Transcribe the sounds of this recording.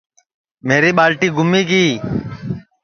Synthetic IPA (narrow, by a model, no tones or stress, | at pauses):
meːɾiːɓaːlʈiːɡʊmiːkiː